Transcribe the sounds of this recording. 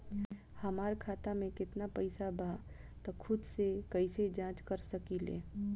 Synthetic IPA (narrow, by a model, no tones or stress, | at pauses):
həmaːɾkʰaːt̪amẽkɪt̪napɐɪsabʱa | t̪ɔkʰʊd̪sekəised͡ʒãːt͡ʃkəɾsəkilḛː